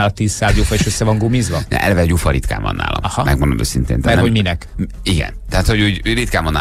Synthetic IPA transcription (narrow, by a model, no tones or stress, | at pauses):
alɒt̪iːssaːzd̪joːfɛeʃøsːɛvɒŋɡomizʋɒnɛ̰ʔɛ̰lɛvɛhoɟufɒɾit̪ka̰ːmbɒ̰nːa̰ːlɔ̰mɒhɒmɛɡmond̪o̰mø̰ːsint̪eːnt̪ːɛoɟminɛk | iɡɛ̰nt̪ɛɦaːt̪ho̞ɟuːɟurit̪kaːmbɒnːa̰ː